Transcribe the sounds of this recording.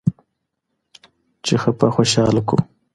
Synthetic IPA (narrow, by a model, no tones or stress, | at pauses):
t͡ʃexəpaxoʃɑːlkṵ